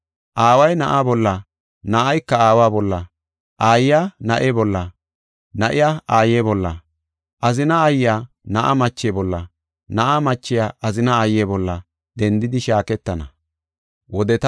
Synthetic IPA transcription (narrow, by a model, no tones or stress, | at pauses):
ʔaːwɐjnɐʔaːbɔlːɐ | nɐʔɐjkːɐaːwaːbɔlːɐ | ʔaːjjaːnɐʔebɔlːɐ | nɐʔɪjaaːjebɔlːɐ | ʔɐzɪnɐːjɪjaː | nɐʔa̰mɐt͡ʃːeːbɔlːɐ | nɐʔamɐt͡ʃːɪjaʔɐzɪnɐːjːebɔlːɐ | d̪̥ɛnd̪ɪd̪ɪʃaːkɛt̪ːɐnɐ | wɔd̪ɛt̪